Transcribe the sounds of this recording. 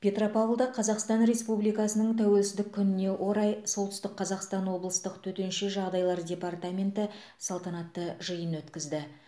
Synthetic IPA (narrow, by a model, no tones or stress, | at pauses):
pʲe̞t̪ro̞pɑulˠd̪ɑqʰɑzɑqst̪ɑnɾe̞spublijkɑsənəɴt̪ʰæwe̞lsɪzd̪ɪkʲʰːʏnɪne̞wʔo̞ɾɑjso̞lˠt̪ʏst̪ɪkqʰːɑzɑqst̪ɑnwo̞blˠəst̪əqt̪ʰɵt̪e̞nʃe̞ʒɑʁd̪ɑjlˠɑɾdʲe̞part̪amʲe̞nt̪ə | sɑlˠt̪ɑnɑt̪ːəʒəjənwɵt̪kʲɪzd̪ɪ